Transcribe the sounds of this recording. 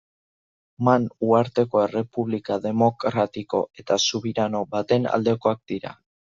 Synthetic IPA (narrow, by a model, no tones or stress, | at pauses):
manuaɾt̪e̞ko̞e̞re̞puβlikaðe̞mo̞kɾat̪iko̞̰e̞t̪asuβiɾano̞βat̪e̞na̰ld̪e̞ko̞ak̚d̪iɾa̰